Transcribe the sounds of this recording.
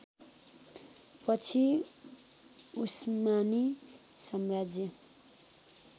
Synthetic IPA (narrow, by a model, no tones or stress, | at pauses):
pʌt͡sʰi | usmani | sʌmrad͡zjʌ